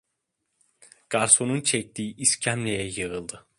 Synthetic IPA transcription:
ɡ̥aɾso̞nunt͡ʃʰɛc̚t̪iːʔiscʰæmlʲejɛjɯɯlˠd̪ɯ

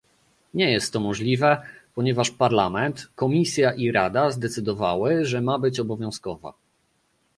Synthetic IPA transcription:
ɲɛjɛst̪ːɔmɔʐlʲivɛpɔɲɛvaʂpaɾlamɛnt̪kɔmʲisʲjaʔiɾad̪azd̪ɛt̪sɘd̪ɔva̰wɘʐɛmabɘt͡ɕɔbɔvʲjɔ̃w̃skɔva̰

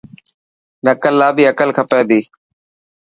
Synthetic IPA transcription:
nəkəlːaːbiːəkəlkʰəpẽːd̪iː

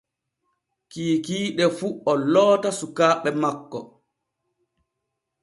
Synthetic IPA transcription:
kiːkiːɗɛfuɔlɔːtasukaːɓɛmakːɔ

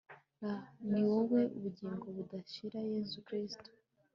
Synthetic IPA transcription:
aniwoβwe̞uβuɟiːŋɡo̞βudaʃiɾaje̞zukɾisto̥

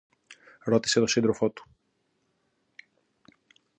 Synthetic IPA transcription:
ɾo̞t̪i̥se̞t̪o̞sind̪ɾo̞fo̞t̪u̥

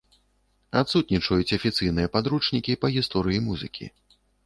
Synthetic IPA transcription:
at̪sut̪̚ʲnʲit͡ʂɐjut͡sʲɐfʲit̪sɨjn̪ɨjɐpad̪ɾut͡ʂnʲikʲipɐɣʲist̪ɔɾɨjimuzɨkʲʰḭ

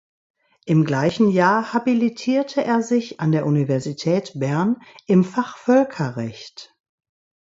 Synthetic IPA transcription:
ʔɪmɡlaɪçn̩jaːɐhabilitʰiːɐtʰəʔeːɐzɪçʔandeːɐʔunivɛɐzitʰɛːtb̥ɛɐnʔɪmfaχfœlkʰɐʁɛçt

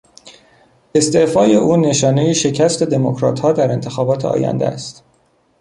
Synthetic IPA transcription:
e̞st̪eʔfɒːjeʔuːne̞ʃɒːnejeʃe̞cʰæst̪e̞d̪e̞mokʰɾɒ̰ːt̪hɒːd̪æɾe̞nt̪ʰe̞xɒːbɒːt̪ʰeʔɒ̰ːjæ̰nd̪æ̰st̪

